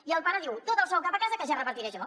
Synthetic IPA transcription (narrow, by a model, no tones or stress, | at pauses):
iəlˠpaɾəðiwt̪ot̪əlˠsɔwkapakazəkəʒarəpəɾt̪iɾeʃɔ